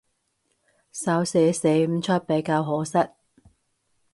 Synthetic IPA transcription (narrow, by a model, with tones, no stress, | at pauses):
sɐ˨˥wse˨˧se˨˥jm̩˨˥t͡ʃʰɐ˥t̚pe˨˧˥jkaː˧wɦɔː˨˥sɐ˥t̚